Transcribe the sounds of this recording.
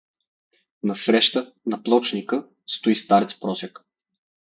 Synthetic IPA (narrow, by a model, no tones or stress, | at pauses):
nɐsɾɛʃt̪ə | nɐplˠɔt͡ʃnikə | st̪ʊist̪aɾɛt̪spɾɔsɛk